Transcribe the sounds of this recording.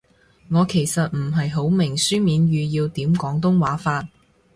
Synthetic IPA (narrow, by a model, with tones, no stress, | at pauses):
ŋɔː˨˧kʰe˨˩jsɐ˨t̚m̩˨˩ɦɐ˨jɦo˨˥wmɪ˨˩ŋsyː˥miː˨˧nɥyː˨˧jiː˧wt̪iː˨˥mkɔː˨˥ŋt̪ʊ˥ŋwaː˨˥faː˧t̚